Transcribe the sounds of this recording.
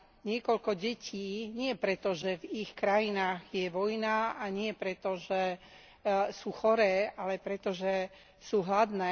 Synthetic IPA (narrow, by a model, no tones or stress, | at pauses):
ɲɪɛkɔʎkɔɟɛciːɲɪɛpɾɛt̪ɔʒɛvixkɾajinaːɣjɛʋɔjnaaɲɪɛpɾɛt̪ɔʒɛ | suːxɔɾɛːalɛpɾɛt̪ɔʒɛ | suːɦlad̪nɛː